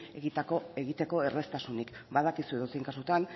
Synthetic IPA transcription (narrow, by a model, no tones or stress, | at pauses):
ɣit̪akoe̞ɣit̪e̞ko̞e̞re̞st̪asunikbað̞akisue̞ðosieŋkasut̪an